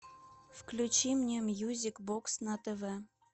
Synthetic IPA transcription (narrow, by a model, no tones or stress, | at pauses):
fklʲut͡ɕimnʲemjuzʲikboksnɑt̪əve